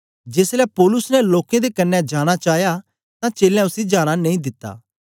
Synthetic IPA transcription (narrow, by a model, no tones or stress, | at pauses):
d͡ʒeːslɛpoːlʊsnɛloːkẽd̪ekɐnːɛd͡ʒaːɽ̃at͡ʃaːɦja | t̪ãt͡ʃeːlɛ̃ʊsid͡ʒaːɽ̃anẽĩd̪ɪt̪ːa̰ː